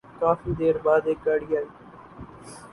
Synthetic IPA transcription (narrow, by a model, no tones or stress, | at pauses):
kaːfiːd̪eːɾbaːd̪eːk̚ːaːɽiːaːiː